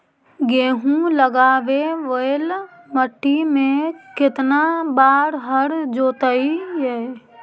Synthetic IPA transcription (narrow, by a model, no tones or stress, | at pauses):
ɡeːɦũləɡaːʋeʋəel | məʈːimẽkɪt̪nabaːɾɦəɾd͡ʒoːt̪əijɛː